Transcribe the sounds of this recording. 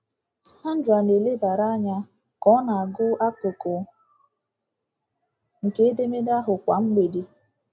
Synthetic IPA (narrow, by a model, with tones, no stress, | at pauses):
sa˦a˦n̩˦dɾa˨ne˨le˦ba˨ɾa˦ɲa˦ | kɔ˦na˨a˨ɡʊ˦ʔa˦kʊ˨kʊ˨ | ŋ̩˨ke˦e˦de˦me˦da˦ɦʊ˨kʷa˨ŋ͡m̩˦ɡ͡be˨de˨